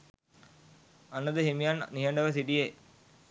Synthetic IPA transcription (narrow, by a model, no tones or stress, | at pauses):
ɐnːəd̪əɦemijanniɦɐɳɖəʋəsiʈije